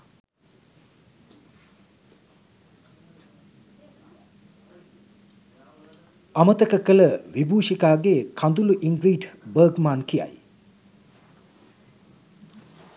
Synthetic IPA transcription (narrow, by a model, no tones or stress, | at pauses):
ɐmɐt̪ɐkɐkɐlɐwibusikaɡekʰand̪uluʔiŋɡɾitbɐɡmankʰija̰j